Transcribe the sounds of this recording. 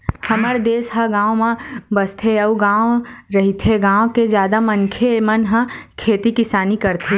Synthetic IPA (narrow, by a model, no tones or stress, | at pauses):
hɐməɾd̪eːsɦɐɡãːʋ̃mãbəst̪ʰeɐuɡãːɾɐɦit̪ʰeɡãːwked͡ʒjaːd̪amənkʰemɐnɦɐ̃kʰeːt̪ikɪsaːnikɐɾt̪ʰe